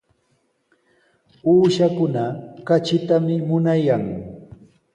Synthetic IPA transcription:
uːʃakʊnakat͡ʃɪt̪amɪmʊnajaŋ

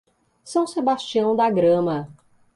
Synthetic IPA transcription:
sɐ̃w̃sebast͡ʃiɐ̃w̃d̪aɡɾɐ̃mɐ

